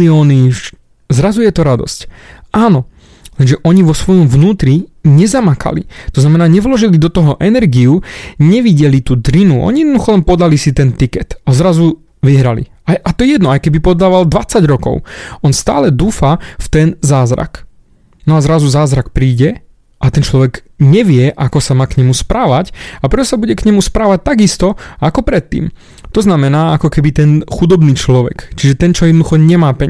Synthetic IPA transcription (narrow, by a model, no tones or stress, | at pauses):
iɔːniʃ | zɾazujɛt̪ɔɾad̪ɔ̰scʔaːnɔ | lɛnʒɛʔɔɲiʋɔsʋɔjɔmvnuːt̪ɾiɲɛzamakʰa̰lḭt̪ɔznamɛnaːɲɛʋlɔʒilid̪ɔt̪ɔɦɔʔɛnɛɾɡiuɲɛʋiɟɛlit̪uːd̪ɾinuʔɔ̰ɲijɛd̪nɔd̪uxɔlɛnpɔd̪alisit̪ɛnt̪ikɛt̪azɾazu | ʋiɦɾalḭ | ajʔat̪ɔɛjɛd̪nɔajkɛbipɔd̪aːʋald̪ʋat͡saɟɾɔkɔ̰ʊɔnst̪a̰ːlɛd̪uːfaft̪ɛnzaːzɾa̰k | nɔazɾazuzaːzɾak̚pɾiːɟɛ | ʔat̪ɛnt͡ʃlɔʋɛɡɲɛʋɪɛʔakɔsamaːkɲɛmuspɾaːʋacapɾɛt̪ɔsabuɟɛkɲɛmuspɾaːʋac̚t̪aɡist̪ɔakɔpɾɛt̪ːḭːm | t̪ɔznamɛnaːakɔkɛbit̪ɛnxud̪ɔbniːt͡ʃlɔʋɛ̰kt͡ʃiʒɛt̪ɛnt͡ʃɔjɛd̪nd̪uxɔɲɛmaːpɛɲ